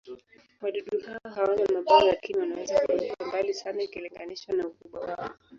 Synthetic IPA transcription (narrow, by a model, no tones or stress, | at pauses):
waɗuɗuhaɔɦawanamaɓaɔlakiniwanawɛzakuakuambalisanaikiliŋɡaniʃwanaukuɓwawaɔ